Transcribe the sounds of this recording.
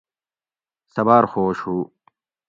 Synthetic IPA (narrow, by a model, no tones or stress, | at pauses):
sɐbaːɾxoːʃu